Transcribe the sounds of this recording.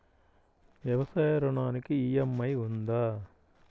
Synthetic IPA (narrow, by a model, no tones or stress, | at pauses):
ʋjɐʋɐsaːjɐɾɔɳaːnikiijɐmːɐjund̪aː